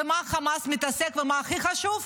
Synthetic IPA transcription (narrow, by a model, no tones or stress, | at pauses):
emaχamasmit̪asekvemaːχiχaʃuv